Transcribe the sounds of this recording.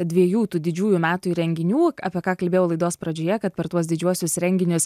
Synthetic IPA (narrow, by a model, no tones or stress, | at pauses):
d̪ʲʋʲiɛjuːt̪uːd̪ʲɪd͡ʒʲuːjʊmʲæːt̪ʊiɾʲɛŋʲɡʲɪnʲuːɐːpʲiɛkɑːkɐlʲbʲeːjɛlˠɐɪd̪oːspɾɐd͡ʒʲoːjɛkɐt̪̚pʲɛɾt̪uɔsd̪ʲɪd͡ʒʲuɔsʲʊsɾʲɛŋʲɡʲɪnʲʊs